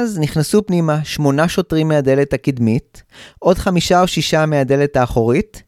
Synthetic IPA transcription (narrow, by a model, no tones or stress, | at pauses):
azniχnasupnimaʃmo̞naʃo̞tʁimːeade̞lethakidmitʔo̞dχamiʃaoʃiʃameade̞letaːχo̞ʁit